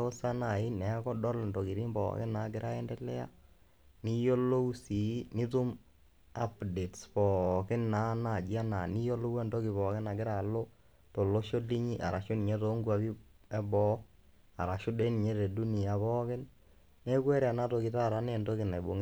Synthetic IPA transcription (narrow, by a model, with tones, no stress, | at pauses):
o˦sa˦na˨i˦nɛ˨˦kɔ˦dɔ˦lndo˨ki˨ɾi˦mbɔ̰ː˨kɪ˦na˨˦kɪ˦ɾʔa˦ɛ˦ndɛ˦lɛ̰˦a̰˦ | ni˦jo˦lo˦u˦si˨˦ni˦tu˦m | a˦pde˨tspɔ˨kɪ˦nːa˨˦na˨d͡ʒi˦a˦na˨ni˦jo˦lo˦wɛ˦˨ndo˦kɪ˨βɔ˨kɪ˦na˨kɪ˦ɾa˨lo˦ | to˨lo˦ʃo˦li˦ɲi˦ʔa̰˨ɾa˨ʃo˦ni˨ɲɛ˦to˦ŋɡwa˨bi˦ | ɛ˦bɔ˦ | a˨ɾa˨ʃo˦de˦ni˨ɲɛ˦ɾe˨du˦ni˨ja˨βɔ˦kɪ˦n | nɛ˦kwɛ˦ɾa˨na˦to˨kɪ˨ta˦˨ɾa˦nɛ˦˨ndo˦kɪ˨na˨i˨bo˨ŋ